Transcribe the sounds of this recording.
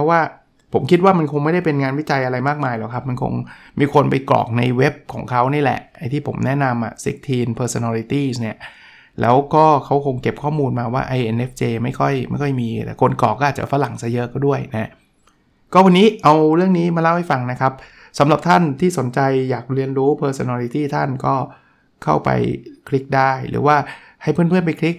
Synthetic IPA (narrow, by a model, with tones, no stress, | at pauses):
pʰɔ˦˥waː˥˩ | pʰo˩˦mkʰi˦t̪̚waː˥˩ma˧nkʰo˧ŋma˥˩jda˥˩jpe˧nŋaː˧nwi˦˥t͡ɕa˧jʔa˧ɾa˧jmaː˥˩k̚maː˧jlɛː˨˩wkʰa˦˥p̚ma˧nkʰo̰˧ŋmiː˧kʰo˧npa˧jklɔ̰ː˨˩k̚na̰˧jwe˦˥p̚kʰɔː˩˦ŋkʰa˦˥wniː˥˩lɛ̰˨˩ʔa˧jt̪ʰiː˥˩pʰo̰˩˦mnɛ˦˥na˧mʔa̰˨˩sḛ˦˥k̚t̪ʰiː˧npʰɤː˧so˧naː˧li˧t̪iː˥˩sni˥˩ɐ | lɛ̰ː˦˥wkɔː˥˩kʰa˦˥wkʰo˧ŋke˨˩p̚kʰɔː˥˩muː˧nmaː˧wa̰ː˥˩ʔa˧jʔe˧nʔe˦˥f̚t͡ɕeː˧ma˥˩jkʰɔ˥˩jma˥˩jkʰɔ˥˩jmiː˧t̪ɛ̰˨˩kʰo˧nklɔː˨˩kːɔː˥˩aː˨˩t̚t͡ɕa̰˨˩fa˧˥la˨˩˦ŋsa˧jɤ˦˥ʔkɔː˥˩du˥˩əjna˦˥ | kɔː˥˩wa˧nːiː˦˥ʔa˧wɾɯ˥˩əŋniː˦˥ma˧laː˥˩wha˥˩jfa˧ŋna˦˥kʰa˦˥p̚ | sa˩˦mla˨˩p̚t̪ʰa˥˩nt̪ʰiː˥˩so˩˦nt͡ɕa˧jːaː˨˩k̚ɾi˧ənɾuː˦˥pʰɤː˧so˧naː˧li˧˥t̪iː˥˩t̪ʰa˥˩nkɔː˥˩ | kʰa̰˥˩wpa̰˧jkʰli˦˥k̚daː˥˩jɾɯ̰ː˩˦waː˥˩ | ha˥˩jpʰɯ˥˩˨npʰɯ˥˩ənpa˧jkʰli˦˥k̚